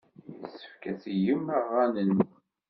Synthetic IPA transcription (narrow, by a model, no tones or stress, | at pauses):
sə̥fkæθjəməʁːænən